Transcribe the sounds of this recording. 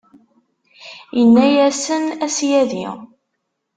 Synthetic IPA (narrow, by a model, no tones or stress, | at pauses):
jənːæjæsənæsjæðḭ